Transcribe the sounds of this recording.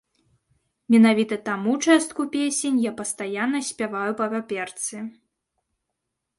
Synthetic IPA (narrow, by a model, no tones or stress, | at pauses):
mʲɛnavʲit̪ɐt̪amut͡ʂɛst̪kupʲesʲenʲjapɐst̪ajanːɐsʲpʲavajupɐvʲapʲɛrt̪sɨ